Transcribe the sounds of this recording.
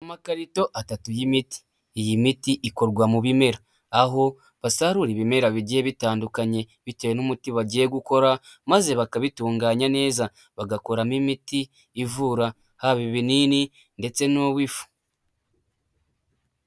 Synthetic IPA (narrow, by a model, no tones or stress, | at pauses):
amakaɾito̞ʔatatujimiti̥ | jimitiʔiko̞ɾɡwamuβime̞ɾaː | ɦo̞ | βasaɾuɾiβime̞ɾaβiɟieβitaːndukaɲe̞ | βitejenumutiβaɟieɡuko̞ɾamaze̞βakaβituːŋɡaːɲane̞ːza | βaɡako̞ɾamimitiː | vuɾa | haβiβiniːni | nde̞t͡se̞noβwifu̥